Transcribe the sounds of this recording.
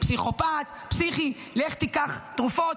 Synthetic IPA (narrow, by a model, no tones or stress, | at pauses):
psiχopat̪ | psiχi | leχt̪ikaχt̪ʁufot